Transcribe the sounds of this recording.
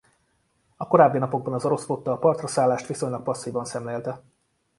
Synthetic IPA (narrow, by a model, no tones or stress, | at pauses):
ɒko̞ɾaːbːinɒpo̞ɡ̚bɒnɒzoɾo̞sfoːt̪ːɒːpɒrt̪rɒsaːlːaːʃt̪ʋiso̞ɲlɒk̚pɒsːiːvɒnsɛmleːlt̪ɛ